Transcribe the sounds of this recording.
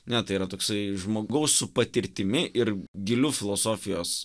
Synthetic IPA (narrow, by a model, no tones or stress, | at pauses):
nʲɛt̪ɐɪiːɾɐt̪oːksɐɪʒmoːɡɐʊsːʊpɐt̪ʲɪɾʲt̪ʲɪmʲɪʔɪrɡʲɪlʲufʲɪlˠoːsoːfʲɪjoːs